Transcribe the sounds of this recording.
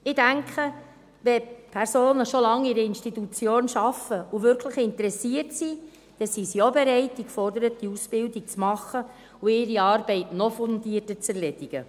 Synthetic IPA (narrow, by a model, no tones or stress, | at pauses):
ɪdæŋkʰə | ʋɛpʰɛɾsoːnəʃɔlɑŋːiɾiɪnʃtitut͡sjoːnʃɑfəuʋʏɾkʰləχɪnt̪əɾɛsiərtsi | d̥ɛsisiobeɾɛɪtːikfɔrd̪əɾət̚diusb̥ɪldik̚t͡smɑχːə | uɪɾiɑːɾbɛɪtnɔfɔndiːərtət͡sɛɾlɛd̥iɡ̥ə̰